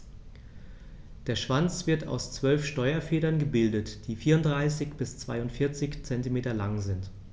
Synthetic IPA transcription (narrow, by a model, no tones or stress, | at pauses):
d̥eːɐʃv̥ant͡sv̥ɪɐtʰa̰ʊst͡sv̥œlfʃtɔʏɐfeːɾɐnɡəbɪldətd̥iːfiːɐʊntd̥ʁaɪsɪçb̥ɪst͡sv̥a̰ɪʊntfɪɐt͡sɪçt͡sɛntimeːtɐlaŋzɪnt